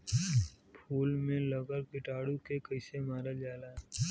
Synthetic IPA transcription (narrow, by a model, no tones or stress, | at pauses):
pʰuːlmẽləɡəɾkɪʈaːɽukekəɪsemaːɾad͡ʒaːlaː